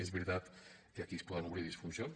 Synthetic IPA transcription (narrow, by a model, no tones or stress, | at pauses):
ezβiɾt̪at̪keakispɔðanuβɾiðisfunzjon